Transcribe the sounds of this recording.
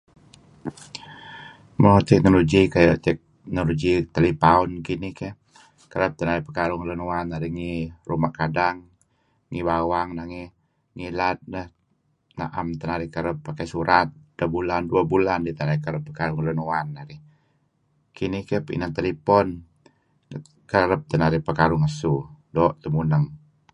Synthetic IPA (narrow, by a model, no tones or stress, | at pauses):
məɔt̪ɛk̚noloɡikajt̪ɛk̚ | noloɡit̪əlipaɔnkinikɛ | kəɾəp̚t̪ənaɾipəkaɾuŋlənuanaɾiŋirumakadaŋː | ibawaŋnaŋɛ | ŋilat̪̚nəh | na̰ʔa̰mt̪ənaɾihkəɾəpːakajsuɾat̪̚dabulanduabulandit̪ənaɾikəɾəpːəkaɾuŋlənuanːaɾi | kinihkɛpəḭnant̪əlipɔn | kəɾəp̚t̪ənaɾihpəkaɾʊŋəsudoʔt̪umunəŋ